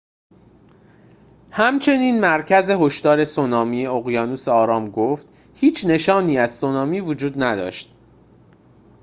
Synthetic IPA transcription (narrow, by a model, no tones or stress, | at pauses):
hæmt͡ʃʰe̞niːnmæɾcʰæze̞ɦo̞ʃt̪ɒːɾe̞sonɒːmiːjeoɣjɒːnuːseɒːɾɒːmɡoft̪ | hiːt͡ʃʰne̞ʃɒːniːæz̥sonɒːmiːvod͡ʒuːd̪næd̪ɒ̰ːʃt̪̚